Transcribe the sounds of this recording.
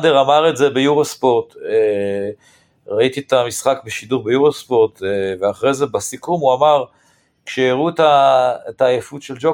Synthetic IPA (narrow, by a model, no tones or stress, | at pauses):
deʁamaʁe̞tze̞bejuʁospo̞ʁt̪e | ʁait̪iet̪amisχakbeʃiduʁbejuʁospo̞ʁt̪veaχʁejze̞basikumuamaʁ | kʃeiʁutaetaːjefutʃeld͡ʒo